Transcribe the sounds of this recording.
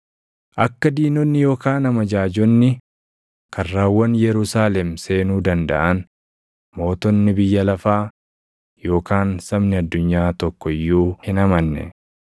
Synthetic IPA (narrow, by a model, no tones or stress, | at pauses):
ʔɐkːɐd̪iːnɔnːɪjo̞ːkaːnɐmɐd͡ʒaːd͡ʒɔnːɪ | kʰɐrːaːwːɐnjɛɾʊsaːlɛmse̞ːnuːd̪ɐnd̪ɐ̰ʔɐn | mo̞ːt̪ɔnːɪbɪjːɐlɐfaː | jo̞ːkaːnsɐmnɪɐd̪ːʊɲːaːt̪ɔkːɔɪjːuːhɪnɐmɐnːɛ̰